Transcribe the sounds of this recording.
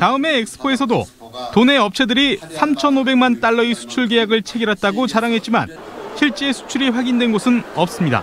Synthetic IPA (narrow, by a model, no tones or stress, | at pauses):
taɯme̞ːk̚s͈ʰɯ̥pʰoe̞sʰʌdo̰tone̞ʌp̚t͡ɕʰedɯɾisʰamt͡ɕʰʌnobe̞ŋmant͈aɭːʌisʰu̥t͡ɕʰuɭɡejaɡɯɭt͡ɕʰe̞ɡiɾɦat̚t͈aɡot͡ɕaɾaŋɦe̞t̚t͡ɕ͈ima̰n | ɕʰiɭt͡ɕ͈e̞sʰu̥t͡ɕʰuɾiɸwaɡindwe̞nɡosʰɯnʌp̚s͈ɯmɲida̰